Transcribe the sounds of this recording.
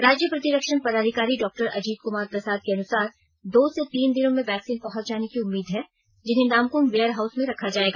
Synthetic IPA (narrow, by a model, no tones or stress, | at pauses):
ɾaːd͡ʒjəpɾɐt̪iɾɐkʃənpɐɾaːd̪ʱikaːɾiɖɔːk̚ʈəɾʔɐd͡ʒiːd̪̚kʊmaːɾpɾɐsaːd̪̚keɐnʊsaːɾ | d̪oːset̪iːnd̪ɪnõmẽʋɛːksiːnpɐɦɔ̃t͡ʃd͡ʒaːnekiʊmːiːd̪ɦɛ | d͡ʒɪnɦẽnaːmkʊmʋeːəɾɦaːʊsmẽɾɐkʰad͡ʒaːeːɡaː